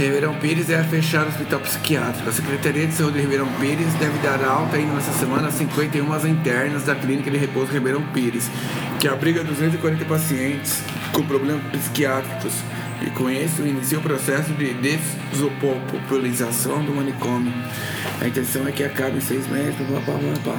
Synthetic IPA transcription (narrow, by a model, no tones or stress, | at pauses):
hebeɾɐ̃w̃piɾɪzɛɐfeʃaɾɐospit̪awpɪ̥si̥kiat̪ɾikʊɐsekɾet̪aɾiɐd̪ɪsaud͡ʒɪhebeɾɐ̃w̃piɾɪzd̪ɛvɪd̪aɾawt̪ɐĩnd̪ɐnɛsɐsemɐ̃nɐasĩŋkwẽnt̪ejũmɐzɐ̃t̪ɛɾnɐzd̪ɐklinikɐd̪ɪɦepozhebeɾɐ̃w̃piɾɪs | kɪabɾiɡɐd̪uzẽt̪̬zɪkwaɾẽnt̪ɐpasiẽnt͡ʃɪ̥s | kõpɾoblẽmɐpɪsi̥kiat̪ɾikʊs | ɪ̰kõɲesʊinisiɐʊpɾosɛsʊd͡ʒɪd̪ez | zopopopulizasɐ̃w̃d̪ʊmɐ̃nekõmiʊʊ | ɐ̰ĩt̪ẽsɐ̃w̃ɛkɪakabɐ̃j̃sejzmɛt̪ɾʊzvãpa̰vɐ̃pa̰